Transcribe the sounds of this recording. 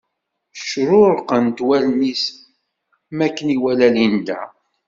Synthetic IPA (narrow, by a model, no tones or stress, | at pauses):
ʃɾʊɾqənt̪wælmis | mækːəniwælælind̪æ̰